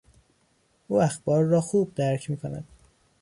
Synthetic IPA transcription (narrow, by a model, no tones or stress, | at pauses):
ʔuːæxb̥ɒːɾːɒːxuːb̚d̪æɾcʰmiːkʰonæ̰d̪̥